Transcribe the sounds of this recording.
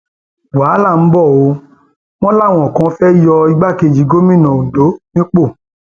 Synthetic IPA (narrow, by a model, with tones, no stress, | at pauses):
waː˨˦la˦˨m̩˦bɔ˦˨o˧ | w̃ɔ̃˦la˦˨w̃ɔ̃˨kã˧˦fɛ˦jɔ˧i˧ɡ͡ba˦˨ke˧˨d͡ʒi˨˧˦ɡo˦mĩ˦˨nã˨õ˨do˨˦nĩ˦k͡po˦˨